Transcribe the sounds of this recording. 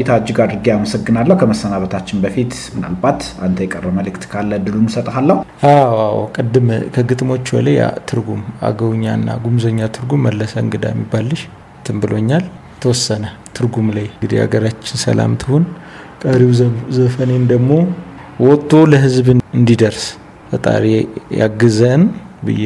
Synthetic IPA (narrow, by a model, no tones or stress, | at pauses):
t̪ʰaad͡ʒːɪɡad̪ɾɨɡeaməsəɡːɨnalːəhkʰəməsːənaβət̪ʰat͡ʃːɪnbəfit̪ | mɨna̰lbat̪ant̪ʰəjɛkʼərːəməlɨkt̪kʰalːəd̪ɨlunsət̪ʼhalːəhʔawawkʼɨd̪ːɨmkʰəɡɨt̪ʼmo̞t͡ʃːbə̰laja̰t̪ʰɨɾɡuma̰ɡəwɲːanːa̰ɡumzəɲːat̪ʰɨɾɡumːəlːəsəɨ̰ŋɡɨd̪a̰jmːibːalːɨʃ | t̪ʰɨmbɨlo̞ɲːal | t̪ʰəwɔsːənə | t̪ʰɨɾɡumlajɡɨd̪ḭha̰ɡəɾat͡ʃːɪnsə̰la̰mt̪ʰɨhun | kʼəɾiwzəfənend̪əɡmo̞wɔt̪ʼːo̞ləɦɨzbɨɨnd̪id̪əɾs | bət̪ʼa̰ɾeja̰ɡɨzən | bɨ̰jːɛ